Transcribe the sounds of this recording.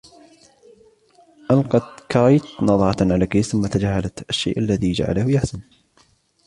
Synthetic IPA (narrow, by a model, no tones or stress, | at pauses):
ʔalqɑt̪kɑɾˤɑjt̪nɑðˤʕɑt̪ʕalakajθʊmːat̪ad͡ʒaːhalat̪ʔaʃːḛːʔalːaðid͡ʒa̰ʕa̰lahʊjaħsan